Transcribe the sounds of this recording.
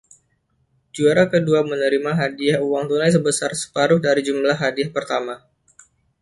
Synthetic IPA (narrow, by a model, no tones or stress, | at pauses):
d͡ʒuaɾakəduamənəɾimaɦadiahuwaŋt̪unajs̬əbəsarsə̥paɾʊhdaɾid͡ʒumlaɦːadiahpərt̪ama